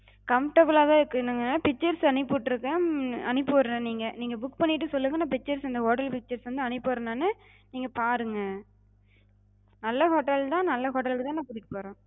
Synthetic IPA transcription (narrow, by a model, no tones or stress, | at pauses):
kɐmʈɐblaːt̪ãːɪɾɯkːɯnaŋɡɐapɪk̚t͡ʃːɐɾsɐnɪpːɯʈːɪɾɯkːɐ̃ɐnɪpːɯʋɾɐɾɐ̃niːŋɡɐniːŋɡɐbʊkːpɐɳːɪʈːɯsɔlːɯŋɡɐnːaːpɪk̚t͡ʃːɐɾsɪnd̪ɐɦoːʈɐlpɪk̚t͡ʃːɐɾsʋɐnd̪ɯɐnɪpːɯɾɐnaːnːɯ | niːŋɡɐpaːɾɯŋɡɐ | nɐlːɐɦoːʈːɐlt̪ãːnɐlːɐɦoːʈ̬ːɐlkɯt̪ãːnãːpʊːɾɪʈːɯ̥poːɾõː